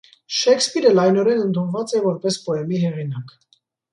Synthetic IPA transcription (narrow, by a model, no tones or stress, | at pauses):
ʃɛkspiɾəlɑjnɔɾɛnənt̪ʰunvɑt͡sɛvɔɾpɛspɔɛmiɦɛʁinɑk